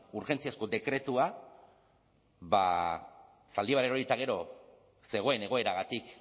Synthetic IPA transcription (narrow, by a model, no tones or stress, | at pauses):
uɾʝe̞nt͡siasko̞d̪e̞kɾe̞t̪ua | ba̰ | sald̪iβaɾeo̞ɾit̪aɣ̞e̞ɾo̞ | se̞ɣo̞e̞ne̞ɣ̞o̞e̞ɾaɣat̪ik